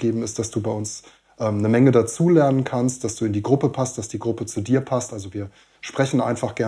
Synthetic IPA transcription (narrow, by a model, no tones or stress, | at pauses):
ɡeːbm̩ɪst̚d̥asd̥uːbaɪʔʊns | ʔɛːmnəmɛŋədat͡suːlɛɐnənkʰanst̚d̥asd̥uːɪndiːɡʁʊpəpʰast̚d̥asd̥iːɡʁʊpət͡sudiːɐpʰastʔalzoviːɐ | ʃpʁ̥ɛçn̩ʔa̰ɪnfaχɡ̥ɛɐ